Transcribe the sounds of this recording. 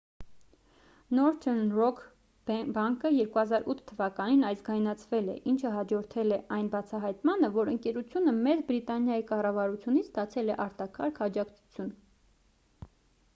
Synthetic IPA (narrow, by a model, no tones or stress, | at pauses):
nɔɾt̪ʰɛnrɔkʰ | bɑŋkəjɛɾkuhɑzɑɾut̪ʰt̪ʰːəvɑkɑninɑjsɡɑjnɑt͡sʰvɛlɛ̰ʔint͡ʃʰəɦɑd͡ʒɔɾt̪ʰɛlɛʔɑjnbɑt͡sʰɑɦɑjt̪mɑnəvɔɾəŋkɛɾut͡sʰjunəmɛd͡zbɾit̪ɑnjɑjikɑrɑvɑɾut͡sʰjunit͡sʰst̪ɑt͡sʰɛlɛʔɑɾt̪ɑkʰɑɾkʰɑd͡ʒɑkt͡sʰu̥t͡sʰjun